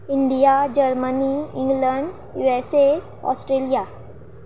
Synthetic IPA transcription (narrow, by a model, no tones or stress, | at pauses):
iɳɖijad͡ʑəɾməniĩŋɡləɳɖ | juese | ɔ̰sʈɾelija